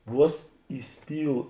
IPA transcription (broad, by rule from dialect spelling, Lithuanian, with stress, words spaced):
ˈʋuɔs iːˈsʲpʲiːlˠ